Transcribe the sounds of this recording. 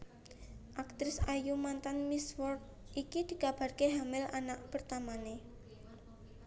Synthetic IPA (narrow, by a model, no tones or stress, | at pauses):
ʔak̚t̪ɾɪsajumant̪anmiswɔr | ikid̪̥i̤kab̥a̤rkeɦamɪlanaʔpərt̪amane